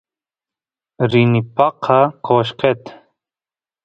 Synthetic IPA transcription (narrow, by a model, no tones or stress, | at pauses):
ɾinipɑqʰɑqʰoʃqet̪